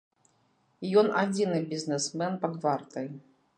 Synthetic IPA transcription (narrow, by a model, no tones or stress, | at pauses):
ijɔnʔad͡zʲinɨbʲiznɛsmɛnpɐd̪vart̪ɐj